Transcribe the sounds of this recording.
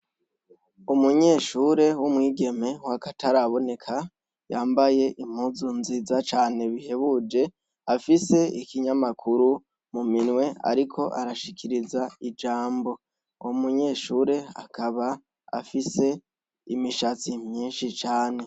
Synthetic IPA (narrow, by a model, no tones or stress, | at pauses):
umuɲe̞ːʃuːɾe̞wumŋiːɡe̞me̞wakatʰaɾaβo̞ne̞kʰa | jaːmbaje̞ʔim̥huzunzizat͡ʃaːne̞βihe̞βud͡ʒe̞ | afise̞ikiɲamakʰuɾu | muminwe̞a̰ɾikʰo̞ʔaɾaʃikʰiɾizaid͡ʒaːmbo̞ | umuɲe̞ːʃuːɾe̞a̰kʰaβa | a̰fise̞ | ḭmiʃat͡simɲiːnʃit͡ʃaːne̞